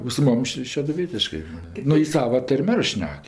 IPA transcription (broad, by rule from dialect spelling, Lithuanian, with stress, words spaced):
oː sʊ ˈmʊm ˈʃʲɪ ʃʲɛdʊˈʋʲiɛtʲɪʃkɜ ˈnʊ jɪ ˈsɑːʋɐ ˈtɐrʲmʲ ˈɐr ˈʃʲnʲɛk